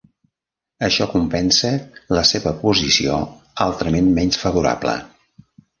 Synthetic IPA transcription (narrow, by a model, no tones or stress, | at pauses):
əʃɔkumpɛnsələseβəpuzisio̰ | alˠt̪ɾəmenmɛɲsfəβuɾa̰blə̰